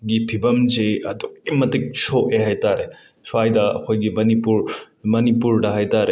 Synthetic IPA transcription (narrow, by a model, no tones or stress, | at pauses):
ɡipʰibɐmd͡ʒejɐduk̚ːimɐtik̚soʔeɦajtaɾe | suajdɐɐ̰kʰojɡimɐnipuɾ | mɐnipuɾdɐɦajtaɾe